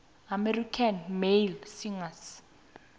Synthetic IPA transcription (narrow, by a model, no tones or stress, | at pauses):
amɛrikʰanmelsiŋas